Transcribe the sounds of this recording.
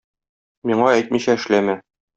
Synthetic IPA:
miɴɑæjt̪̚miɕæɘ̆ʃlæmæ

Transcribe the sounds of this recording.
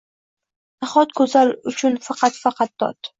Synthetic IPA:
d̪aχɒt̪̚kʰɵzalʊt͡ʃʰʊnfɑqʰɑt̪fɑqʰɑt̪̚ːɒ̰t̪

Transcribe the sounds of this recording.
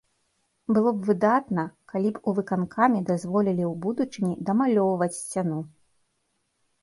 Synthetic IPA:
bɨlˠɔbvɨd̪at̪nɐkalʲipuvɨkankʰamʲid̪azvɔlʲilʲiwbud̪ut͡ʂɨnʲid̪ɐmalʲɔwvɐt͡sʲsʲt͡sʲanu

